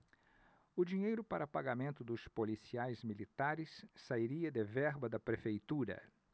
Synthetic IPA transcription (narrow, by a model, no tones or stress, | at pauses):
ʊd͡ʒiɲejɾʊpaɾɐpaɡamẽnt̪ʊd̪ʊspolisiajzmilit̪aɾɪsːaiɾiɐd̪evɛɾbɐd̪ɐpɾefejt̪uɾɐ̰